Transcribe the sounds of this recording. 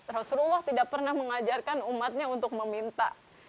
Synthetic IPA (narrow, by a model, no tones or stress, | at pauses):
rasululːaht̪idak̚pərnahməŋad͡ʒarkanumat̪̚ɲaunt̪ʊk̚məmint̪a̰